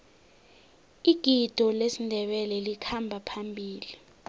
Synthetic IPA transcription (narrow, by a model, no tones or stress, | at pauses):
iɡ̥ʱid̥ʱɔlesindʱɛɓɛlɛlikʰambʱapʰambʱiːli